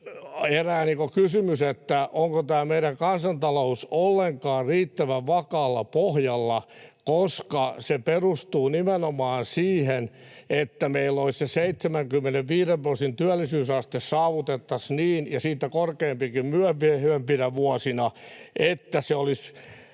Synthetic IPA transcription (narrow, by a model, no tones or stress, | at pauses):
eræːniːŋkokysymyset̪ːæʔoŋkot̪æːmeiɾæŋkɑnsɑnt̪ɑlousolːeŋkɑːrriːt̪ːæʋæʋʋɑkɑːlːɑpohjɑlːɑkoskɑseperust̪uːnimenomɑːnsiːhenet̪ːæmeilːoisseseit̪semæŋkymːeneʋʋiːɾemprosint̪yælːisyːsɑst̪essɑːʋut̪et̪ːɑsniːnjɑsiːt̪ːˑækorkeːmpikimmyæpiehempinæʋuɔsinɑʔet̪ːæseolis